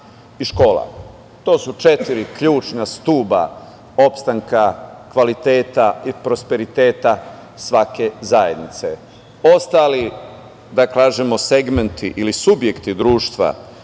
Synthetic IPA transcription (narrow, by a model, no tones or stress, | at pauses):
iʃko̞ːla̰ | t̪o̞ːsut͡ʃe̞t̪iɾikʎuːt͡ʃnast̪uːba̰ | o̞pst̪aŋkakʋalit̪e̞ːt̪aipɾo̞spe̞ɾit̪e̞ːt̪a | sʋake̞zajḛd̪nit̪se̞ | ost̪ali | d̪akaːʒemo̞se̞ɡment̪ʰiʔilisubje̞kt̪id̪ɾuːʃt̪ʋa̰